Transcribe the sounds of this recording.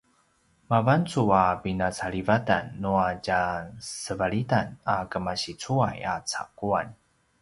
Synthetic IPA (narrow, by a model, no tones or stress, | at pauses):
mavant͡suabinat͡saɭivata̰nːuaɟasəvaɭitanakəmaɕit͡suaja̰t͡sa̰kuan